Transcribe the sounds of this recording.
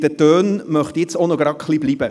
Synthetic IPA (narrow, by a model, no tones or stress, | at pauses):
d̥ətøːnmœχt̪iɪt͡sonɔɡɾɑkχlibliːbə